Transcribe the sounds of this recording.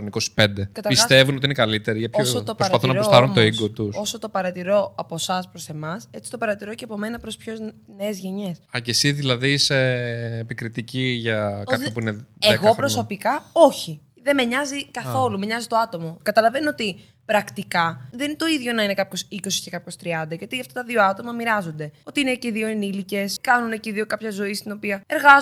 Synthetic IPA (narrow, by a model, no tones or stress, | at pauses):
niko̞si̥pe̞nd̪e̞kɐt̪ɐɾpisst̪e̞vunot̪iinekɐlit̪e̞ɾiʝɐpçoot̪opɾoɐɾɐpɐθunɐɾossɐɾunt̪oiɡot̪uso̞sot̪o̞pɐɾɐt̪iɾo̞ɐpo̞sɐspɾo̞se̞mɐset͡si̥t̪opɐɾɐt̪iɾo̞ceɐpo̞me̞nɐpɾo̞spço̞zneːzʝe̞ɲe̞sɐcesiðilɐðiseːpikɾit̪iciʝɐkɐpçopuineeeɣko̞pɾosopikɐo̞çi | ðe̞meɲɐzikɐθθo̞lumeɲɐzit̪oɐt̪o̞mo̞kɐt̪ɐlɐve̞not̪i | pɾɐkt̪ikɐðent̪o̞iðʝo̞nɐine̞kɐpço̞siko̞si̥ce̞kɐpço̞st̪ɾiɐnd̪ɐʝɐt̪iɐft̪ɐt̪ɐðio̞ɐt̪o̞mɐmiɾɐzo̞nd̪e̞o̞t̪iine̞ceðio̞enilice̞skɐnuneceðio̞kɐpçɐzo̞ist̪ino̞piɐe̞ɾɣɐ